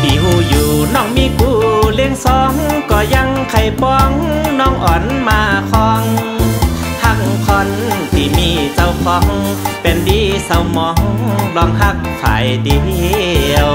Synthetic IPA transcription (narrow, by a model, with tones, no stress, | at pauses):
t̪ʰiː˨˩huː˧˩juː˨˩nɔː˧˩ŋmiː˧˥˨kʰuː˧˩le˧ŋsɔː˧˦ŋkɔː˧˩ja˧ŋkʰa˧˩jpɔː˧ŋnɔː˧˥˨ŋʔɔː˨˩nmaː˧˩kʰɔː˧ŋ | ha˧˩k̚ŋkʰɔ˧nt̪ʰiː˧˩miː˧˩sa˧˩wkʰɔː˧˦ŋ | pe˨˩ndiː˧˦sa˨˧wmɔː˧˦ŋlɔː˧ŋɦa˧˩k̚ | fʰa̰ː˨˦jdiː˧˦li˧w